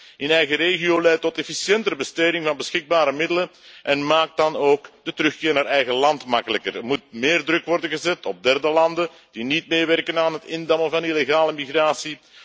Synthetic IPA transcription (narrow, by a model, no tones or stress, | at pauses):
ɪnɛjɣəɾeːɣioːlɛjtːɔtɛfisjɛntəɾəbəsteːdɪŋvɑnbəsxɪɡ̚baːɾəmɪdələnʔɛnmaːk̚t̚d̥ɑnoːkdətəɾɵxkɪːrnaːɾɛjɣəlɑntmɑkələkərəmut̚meːrdrɵkʋɔrdənɣəzɛtɔb̚dɛrdəlɑndə | d̥initmeːʋɛrkənaːnɦətɪndɑməvɑnileɣaːləmiɣraːsi